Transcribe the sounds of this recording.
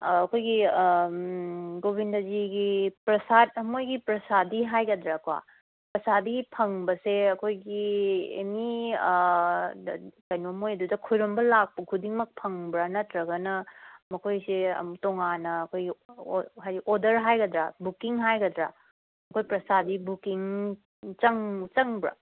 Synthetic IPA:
ɐkʰojɡi | ɡobindɐziɡipɾɐsat̚ɐmojɡipɾɐsadiɦajɡɐdɾakwa̰ | pɾɐsadipʰɐŋbɐseɐkʰojɡiḛmi | kɐjnomojɐdudɐkʰojɾombɐlak̚pɐkʰudiŋmɐk̚pʰɐŋbɾɐnɐtɾɐɡɐnɐmɐkʰojsiɐ̰toŋanɐːkʰojɡiɦajɡiʔodɐɾɦajɡɐdɾabukiŋɦajɡɐdɾa | mɐkʰojpɾɐsadibukiŋ | t͡ʃɐŋt͡ʃɐŋbɾɐ̰

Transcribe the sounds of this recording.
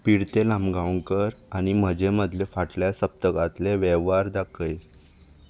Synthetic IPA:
piɽt̪elãmɡaʋəŋkəɾaɽ̃im̤əd͡ʑeməd̪ʱlefaʈljasəp̚t̪əkat̪leʋeʋaɾd̪akʰəj

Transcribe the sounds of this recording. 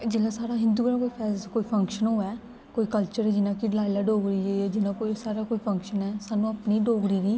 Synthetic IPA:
d͡ʒeːlaːsaːɾaːɦɪ̃nd̪uːɡɾãkoːiːpʰɛːkoːiːpʰə̃ŋkʃənɦoːɛː | koːiːkəlt͡ʃəɾɛːd͡ʒɪnãːkiɖlaːɪlaːɖoːɡɾiːd͡ʒeːɛːd͡ʒɪnãːkoisaːɾaːkoːiːpʰə̃ŋkʃənɛːsaːnũːapniːɖoːɡɾiːɾiː

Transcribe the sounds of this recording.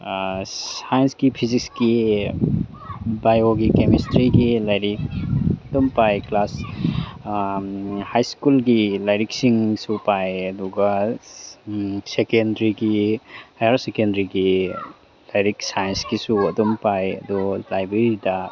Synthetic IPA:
sajensɡipʰizikski | bajoɡikemistɾiɡilajɾik̚ɐdumpajklas | hajskulɡilajɾik̚siŋsupajɐduɡa | sekendɾiɡihajaɾsekendɾiɡi | lajɾiksajensɡisuɐdɔmpajɐ̰dulajbɾeɾidɐ

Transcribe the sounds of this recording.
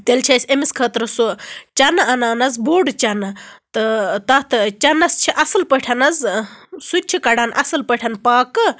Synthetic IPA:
t̪elt͡ʃʰɐsʲemiskʰɐt̪ɾɨsut͡ʃɐnɨɐnaːnɐzboːɖt͡ʃɐnɨt̪ɨt̪ɐt̪ɨt͡ʃɐnɐst͡ʃʰiʔɐsɨlpəʈʰɐnɐzsut͡ʃʰikɐɖanʔɐ̰sɨlpəʈʰɐnpaːkɨ

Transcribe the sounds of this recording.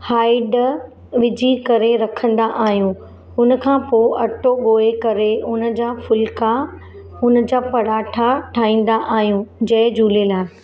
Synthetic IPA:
haːɪɖ | ʋɪd͡ʑikɐɾeɾɐkʰə̃nd̪aʔaːɦijũ | ʊnə̆kʰãːpoːʔɐʈoɠoːekɐɾeʊn̆d͡ʑaːfʊlka | ʊnə̆d͡ʑaːpɐɽaːʈʰaʈʰaːĩːn̆d̪aʔaːɦijũd͡ʑɐɦɪd͡ʑuːlelaː

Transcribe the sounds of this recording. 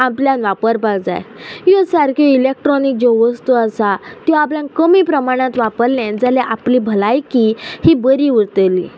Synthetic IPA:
apljãnʋapəɾpald͡za̰jjɔsaɾkʰjoilek̚ʈɾɔnik̚d͡ʑoʋəst̪uəsat̪jɔapljãkəmiːpɾəmaɽ̃ãt̪ʋapəɾlãd͡zalɛʔaplibʱəlajkihibəɾiʋuɾt̪elḭː

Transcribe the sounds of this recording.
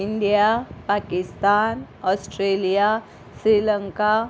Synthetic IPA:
iɳɖijapakɪst̪aːnɔsʈɾelija | sɾiːləŋka

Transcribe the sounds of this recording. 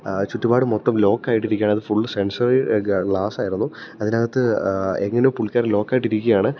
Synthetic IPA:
t͡ɕuʈːubaːɽɨmot̪ːɐmlo̞ːkːaːjiʈːiɾikʲːaːɳɐðɨfuɭːse̞nsɐriɡɭaːsaːjiɾunːuɐðinaːɣɐt̪ːɨeŋːɐnepuɭkʲːaːrlo̞ːkːaːjiʈːiɾikʲːujaːɳɨ

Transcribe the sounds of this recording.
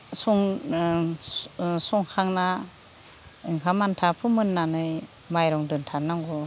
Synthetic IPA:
sɔŋ | sɔŋkʰaŋna | ɯŋkʰamantʰapʰɯmɯnːanɯj | majɾɔŋdɯntʰanaŋɡɔ

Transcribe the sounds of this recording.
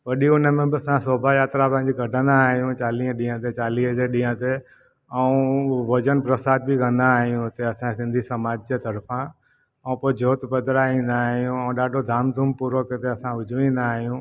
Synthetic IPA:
ʋɐɗiʊnəmẽbɪɐsãsoːbʱajaːt̪ɾapɐ̃ɦɪɲd͡ʑiɡʱɐɖʱə̃nd̪aːɦijũt͡ʃaːliːə̃ɗĩːə̃t̪et͡ʃaːliːəd͡ʑeɗĩːə̃t̪e | ɐũʋɐd͡ʒənpɾəsaːd̪̚bʱikə̃nd̪aːɦijũt̪eɐsãsɪ̃nd̪ʱisɐmaːd͡ʒd͡ʑet̪ɐɾpʰã | ɐũpoːd͡ʒoːt̪bəd̪ɾaĩːnd̪aːɦijũɐ̃ũɗaːɖʱod̪ʱaːmd̪ʱʊmpuːɾokət̪eɐsãʊd͡ʒʱʋĩːnd̪aːɦijũː

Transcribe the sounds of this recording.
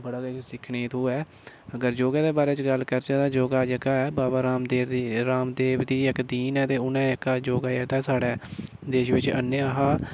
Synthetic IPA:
bəɽaːɡsɪkʰɳeːt̪ʰuːɛː | əɡəɾd͡ʒoːɡaːd̪eːbaːɾeːt͡ʃɡəlkəɾt͡ʃaːt̪aːd͡ʒoːɡaːd͡ʒəɡaːɛːbaːbaːɾaːmd̪eːʋ̪iːɾaːmd̪eːʋd̪iːɪkd̪iːnɛːt̪eːʊnɛ̃ːɪkaːd͡ʒoːɡaːɛːt̪aːsaːɽɛː | d̪eːʃʋɪt͡ʃə̰nːəaɦaː

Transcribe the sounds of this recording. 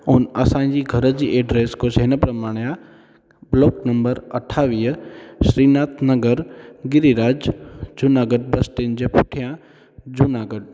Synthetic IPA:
oːnɐsãːd͡ʒiɡʱɐɾəd͡ʒiʔeːɖɾeːskot͡ʃeːnəpɾɐmaːɽ̃ja | bloːknɐmbəɾɐʈʰːaːʋijəʃɾiːnaːt̪ʰnəɡəɾɡɪɾiɾaːd͡ʒd͡ʒʊnaːɡəɖ̚bɐsʈ̪end͡ʒepʰʊʈʰijã | d͡ʒunaːɡəɖ̚

